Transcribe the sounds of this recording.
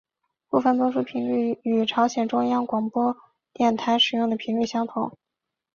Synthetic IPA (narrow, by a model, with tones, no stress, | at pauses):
pu˥˩fə˨˩nt̪wɔ˥ʂu˥pʰi˧˥ŋly˥˩y˨˩ʈ͡ʂʰɑ˧˥ʊɕjɛ˨˩nʈ͡ʂʊ˥ŋjɑ˥ŋkwɑ˨˩ŋpwɔ˥ | t̪jɛ˥˩nt̪ʰa˧˥ɪʂɻ̩˨˩jʊ˥˩ŋd̪ə˩pʰi˧˥ŋly˥˩ɕjɑ˥ŋt̪ʰʊ˨˩˦ŋ